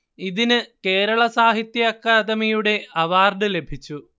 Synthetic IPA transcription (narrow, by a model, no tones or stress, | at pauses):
iðinɨke̞ːɾɐɭɐsaːɦit̪jɐɐkːaːd̪ɐmijuɽe̞ɐʋaːrɖɨle̞bʱit͡ɕːu